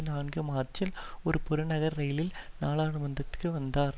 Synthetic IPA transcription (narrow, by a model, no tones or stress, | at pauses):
ɪnaːnɡɯmaːrt͡ʃɪlɔɾɯpʊɾɐnɐɣɐɾːɐjɪlɪl | naːɭaːɳɯmɐnd̪ɐt̪ːɯ̥kːɯʋɐnd̪aːɾ